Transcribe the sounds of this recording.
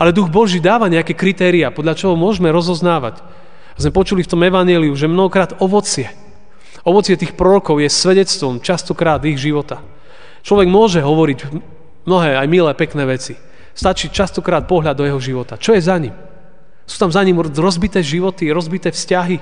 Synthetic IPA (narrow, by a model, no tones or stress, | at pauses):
alɛd̪uɣbɔʒiːd̪aːʋaɲɛakɛkɾit̪ɛːɾiapɔd̪ʎat͡ʃɔɦɔmʊɔʒmɛɾɔzɔznaːʋa̰c | azmɛpɔt͡ʃulift̪ɔmɛʋaɲjɛliuʒɛmnɔɦɔkɾaːd̪ɔʋɔt͡sɪɛ | ɔʋɔt͡sɪɛt̪iːxpɾɔɾɔkɔʊjɛsʋɛɟɛt͡st̪ʋɔmt͡ʃast̪ɔkɾaːd̪iɣʒiʋɔt̪a | t͡ʃlɔʋɛɡmʊɔʒɛɦɔʋɔɾiɟ | mnɔɦɛːajmilɛːpɛknɛːʋɛt͡si | st̪at͡ʃiːt͡ʃast̪ɔkɾaːt̪̚pɔɦʎad̪ɔjɛɦɔʒiʋɔt̪at͡ʃɔjɛzaɲim | su̥ːt̪amzaɲimɾɔzbit̪ɛːʒiʋɔt̪iɾɔzbit̪ɛːfscaɦi